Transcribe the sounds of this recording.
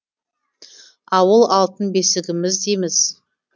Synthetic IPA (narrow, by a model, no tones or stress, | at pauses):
ɑwəlˠɑlˠt̪ənbe̞sɪɡʲɪmɪzd̪emɪz̥